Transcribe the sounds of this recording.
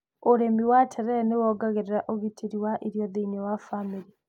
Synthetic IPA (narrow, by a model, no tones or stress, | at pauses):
oɾemiwatʰɛɾɛnewɔɡaɣeɾeɾaʔoɣitʰeɾiwaʔeɾjɔðeinɛwafamiɾi